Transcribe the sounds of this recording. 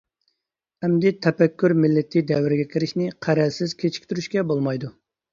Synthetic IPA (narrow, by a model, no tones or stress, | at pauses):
ɛmd̪ɪt̪ʰɛpɛkʲːyɾmɪlːɪt̪ʰːɪd̪ɛwɪɾɪɡʲɛkʲʰɪɾɪʃnɪqʰæɾɛlsɪz̥kʲʰet͡ʃʰi̥kʲt̪yɾyʃkʲɛbolˠmɑjd̪u